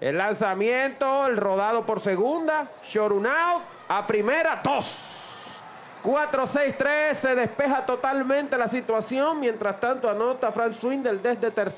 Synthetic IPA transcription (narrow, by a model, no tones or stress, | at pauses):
ḛlːansamjẽnt̪oelro̞ð̞að̞o̞po̞ɾse̞ɣund̪a | ʃo̞ɾunaw | apɾimeɾad̪os | kwat̪ɾo̞sejst̪ɾessːe̞ðespe̞ɦat̪o̞t̪almẽnt̪e̞lasit̪wasjo̞ŋmje̞nt̪ɾast̪ant̪oano̞t̪afɾaŋswind̪e̞ld̪esd̪et̪eɾs